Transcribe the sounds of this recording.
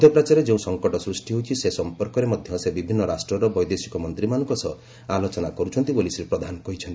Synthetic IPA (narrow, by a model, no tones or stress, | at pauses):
d̪ʱjɔpɾat͡ʃaɾed͡ʒeũsɔŋkɔʈɔsɾusʈiɦout͡ʃʰisesɔmpɔɾkɔɾemɔd̪ʱjɔsebibʱinːɔɾasʈɾɔɾɔbɔjd̪esi̥kɔmɔnt̪ɾimanɔ̃ŋkɔsɔ | alot͡ʃɔnakɔɾut͡ʃʰɔnt̪ibolisɾipɾɔd̪ʱanɔkɔɦit͡ʃʰɔnt̪i